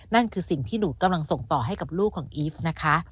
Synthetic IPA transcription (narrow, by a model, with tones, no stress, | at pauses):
na˥˩nkʰɯː˧si˨˩ŋt̪ʰiː˥˩nuː˨˦ka˧mla˧ŋso˨˩ŋt̪ɔː˨˩ɦa˥˩jka˨˩p̚luː˥˩kʰːɔː˩˦ŋʔiː˦˥fna˦˥kʰa˦˥